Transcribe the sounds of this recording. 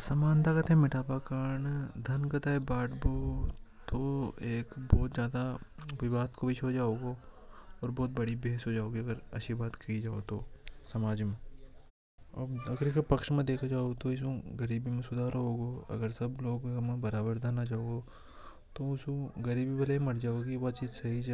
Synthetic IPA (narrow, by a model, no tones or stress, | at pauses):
sɐmaːnt̪akɐt̪ẽmɪʈaːpakaːɾɳd̪ʱɐnkɐt̪aːebaːʈbot̪oeːkbɔːt̪zjaːd̪aʋɪʋaːɦt̪kobiʃʰɦod͡ʒaːoːɡoɔːɾbɔːt̪̚bɐɽibeːsɦod͡ʒaːoːɡiɐɡəɾɐ̰ʃʰibaːt̪kɐid͡ʒaːot̪osɐmaːd͡ʒmẽ | ɐbɐɡəɾkʰpɐkʃmẽd̪eːkʰad͡ʒaːoɡt̪oɪs̬õɡɐɾiːbimẽsʊd̪ʱaːɾɦoːɡoːɐ̰ɡəɾsɐbloːɡmẽbɐɾaːbəɾd̪ʱanat͡ʃaːoːɡoː | t̪oʊsõɡɐɾiːbibɐlemɐɽd͡ʒaːoːɡiʋɐt͡ʃiːd͡ʒsɐɦid͡ʒ